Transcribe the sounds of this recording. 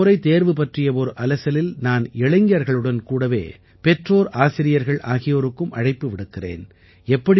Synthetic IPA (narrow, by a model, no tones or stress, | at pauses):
ʊɾɐɪt̪eːɾʋɯpɐʈrɪjɐɔɾɯʔɐlɐsɐlɪlnaːnɛɭɐŋɡjɐɾɣɐɭɯɽɐnkuːɽɐʋḛː | pɛʈroːɾʔaːsɪɾɪjɐɾɣɐɭʔaːɣɪjoɾɯkːɯmʔɐɽɐɪpːɯʋɪɽɯkːɪrḛːn | ɛpːɐɽ